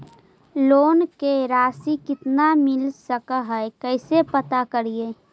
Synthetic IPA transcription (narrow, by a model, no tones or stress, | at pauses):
loːnkeɾaːsikɪt̪namɪlsəkəɦɛekəɪsepət̪akəɾieː